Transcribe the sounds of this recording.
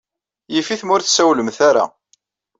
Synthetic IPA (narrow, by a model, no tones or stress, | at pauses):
jifiθmʊɾθsæwləmθaɾa̰